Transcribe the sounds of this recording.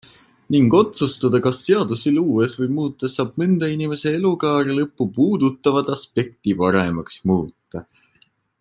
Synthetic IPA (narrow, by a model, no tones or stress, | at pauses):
niŋɡ̥o̞t̪sust̪ɑd̪ɑkɑsːe̞ɑd̪̥usiluːesvɤjmuːt̪ːˑɑsɑːb̥̚mɨnd̪̥ɑinime̞se̞e̞lukɑːɾilɤpːupuːd̪ut̪ˑːɑvɑd̪̥ɑspe̞k̚t̪ipɑɾe̞mɑksmuːt̪ːɑ